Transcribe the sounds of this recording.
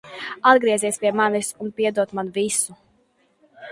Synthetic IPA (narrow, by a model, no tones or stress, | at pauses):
ad̪ɡɾiɛziɛsʲpʲiɛmanisunpʲiɛd̪uɔt̪manvisu